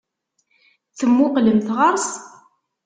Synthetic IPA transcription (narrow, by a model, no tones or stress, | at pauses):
θəmːʊqləmθʁəɾˤs